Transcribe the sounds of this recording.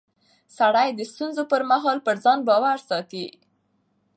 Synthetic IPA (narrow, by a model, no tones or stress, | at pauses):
saɽajd̪əst̪unzopəɾmaɦɑlpəɾzɑnbɑwaɾsɑt̪i